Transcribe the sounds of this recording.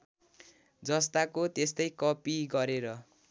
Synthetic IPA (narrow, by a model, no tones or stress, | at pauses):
d͡zʌst̪akot̪est̪ʌjkʌpiɡʌɾeɾʌ